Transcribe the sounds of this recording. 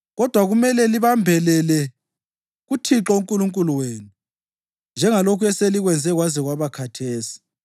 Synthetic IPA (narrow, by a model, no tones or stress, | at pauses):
ɣɔd̥ʱwaɣumɛlɛliβambʱɛlɛlɛ | ɣutʰiǁɔuŋkʼuluŋkʼuluweːnu | nd͡ʒʱɛŋalokʰuɛseliɣwɛnd͡zʱɛɣwaziɣwaβakʰatʰeːsi̥